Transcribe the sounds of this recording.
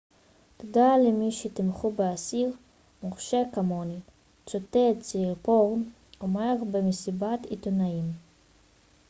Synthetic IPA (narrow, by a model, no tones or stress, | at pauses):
t̪odalemiʃet̪imχubeasiʁ | moχʃekamoni | t͡sot̪et͡siiʁpoʁn | omeʁbemesibat̪it̪onaim